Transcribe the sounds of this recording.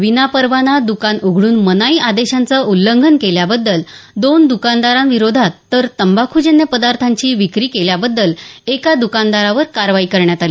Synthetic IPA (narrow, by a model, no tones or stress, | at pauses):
ʋinapəɾʋanad̪ukanoɡʱɽuːnmənaiad̪eɕant͡səulːəŋɡʱənkeljabəd̪ːəld̪ond̪ukand̪aɾanʋiɾod̪ʱat̪ːəɾt̪əmbakʰud͡ʑənːjəpəd̪aɾt̪ʰaɲt͡ɕiːʋikɾiːkeljabəd̪ːəlekad̪ukand̪aɾaʋəɾkaɾʋaikəɾɳjat̪ali